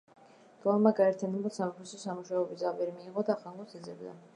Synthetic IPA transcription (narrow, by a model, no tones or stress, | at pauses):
ɡ̥ʼlˠamaɡaɛɾt̪ʰjanɛbulˠsamɛpʰɛsɔsamuʃaɔbid̪zʼapʼɛɾimiːʁɔd̪aːχaŋɡɔt̪ʰɛd̪zɛbd̪a̰